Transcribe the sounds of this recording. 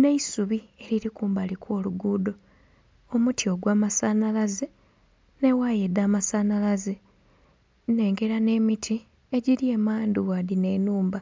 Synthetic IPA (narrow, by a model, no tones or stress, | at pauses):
ne̞isuβie̞ɾiɾikuːmbalikʰwo̞ːluɡuːdo̞ | omutʰio̞ɡwaːmasaːnalaze | ne̞wajed̪aːmasaːnalaze | ne̞ːŋɡe̞ɾane̞ːmitʰi | e̞ɟiɾie̞maːnd̪uwaðine̞ːnuːmba